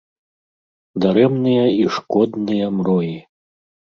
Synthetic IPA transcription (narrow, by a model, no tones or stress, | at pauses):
d̪aɾɛmnɨjɐiʂkɔd̪nɨjɐmrɔji